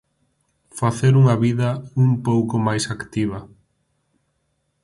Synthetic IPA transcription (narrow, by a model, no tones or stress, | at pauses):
faθeɾuŋɐβiðɐuŋpowkʊmajsakt̪iβ̞ɐ